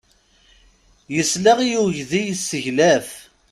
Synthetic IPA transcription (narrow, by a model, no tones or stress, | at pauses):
jəslæʁijuʝðijsːəʝlæf